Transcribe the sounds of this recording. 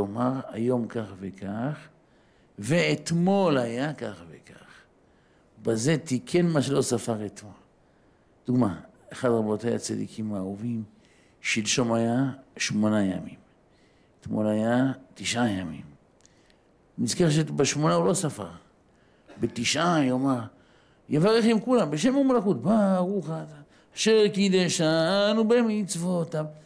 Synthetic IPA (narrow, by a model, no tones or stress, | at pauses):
omaʁa̰jo̞mkaχvekaχ | veːt̪mo̞lajakaχveka̰χ | baze̞t̪ikʰenmaʃelo̞safaʁet̪mol | d̥̪uɡma | eχad̪ʁabot̪ajat͡sad̪ḭkʰimauvim | ʃilʃomajaʃmonajamim | t̪mo̰najat̪iʃʔajamḭm | nizkaχʃ̬ebaʃmonaulosafa̰ʁ | bet̪iʃʔajoma | jevaʁeχimkulambeʃ̬emumlakut̪baʁuxat̪a | aʃeʁkid̪eʃanubemiit͡svot̪am